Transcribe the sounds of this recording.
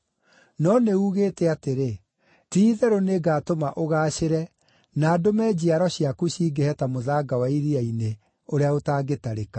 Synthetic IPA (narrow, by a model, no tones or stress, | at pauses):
nɔneuːɣeːtɛateɾe | tiːðɛɾoneɡaːtomaʔoɣaːɕeɾɛ | naːdomɛd͡ʑiaɾɔɕiakuɕiːɡehɛtamoðaːɡawaiɾiaine | oɾeaotaːɡetaɾeka